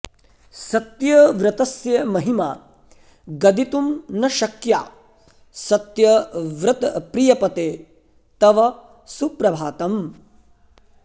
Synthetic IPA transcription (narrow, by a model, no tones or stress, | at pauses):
sɐt̪jɐʋɾɐt̪ɐsjɐmɐɦimaː | ɡɐd̪it̪umnɐʃɐkjaː | sɐt̪jɐʋɾɐt̪pɾijɐpɐt̪eː | t̪ɐʋɐ | supɾɐbʱaːt̪ɐm